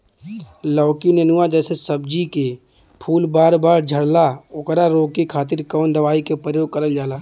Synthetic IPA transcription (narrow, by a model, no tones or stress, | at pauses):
lɔːkinenʊʋad͡ʒɛːsesəbd͡ʒike | pʰuːlbaːɾbaːɾd͡ʒʱəɽlaokɾaɾoːkikʰaːt̪ɪɾkɔːnd̪əʋaːikepɾəjoːɡ̚kəɾəld͡ʒaːlaː